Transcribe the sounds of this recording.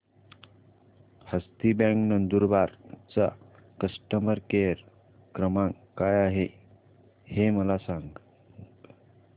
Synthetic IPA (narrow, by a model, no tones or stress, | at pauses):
həst̪ibãŋknənd̪uɾbaɾt͡sa | kəsʈəməɾkeɾ | kɾəmãŋ | kajaɦe | heməlasãŋɡ